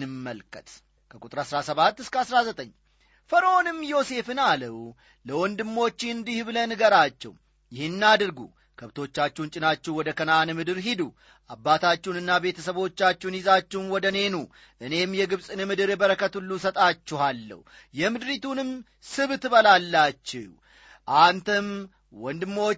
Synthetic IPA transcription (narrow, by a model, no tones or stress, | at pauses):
nɨmːəlkʰət̪ʼ | kʰəkʼut̪ʼɾasɾasəβat̪ːɨskəasɾazət̪ʼəɲː | fəɾəonɨmːjo̞se̞fɨnaləw | ləwɔnd̪ɨmːo̞t͡ʃːɪɨnd̪ihbɨlənɡəɾat͡ʃːɛ̰w | jɪhɪnːad̪ɨɾɡṵ | kʰəβt̪ʰo̞t͡ʃːat͡ʃːɛunt͡ʃʼɪnat͡ʃːɛwɔd̪əkʰənanɨmɨd̪ɨɾɦid̪u | ʔabːat̪ʰat͡ʃːunɨnːabe̞t̪ʰəsəβo̞t͡ʃːat͡ʃːunjɪzat͡ʃːɛwnwɔd̪əne̞nu | ʔɨne̞mjɛɡɨβsʼɨnɨmɨd̪ɨɾɛbəɾəkət̪ulːusət̪ʼat͡ʃːɛhalːə̰w | jɛmɨd̪ɾit̪ʰunɨm | sɨβt̪ɨβəlalːat͡ʃːɛw | ʔant̪ʰəm | wɔnd̪ɨmːo